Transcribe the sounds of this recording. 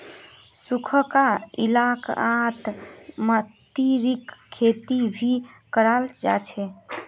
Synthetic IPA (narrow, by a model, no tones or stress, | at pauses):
sukʰəkaḭlakat̪mət̪iɾikʰːet̪ibʱikəɾald͡ʒa̰t͡ʃʰɛ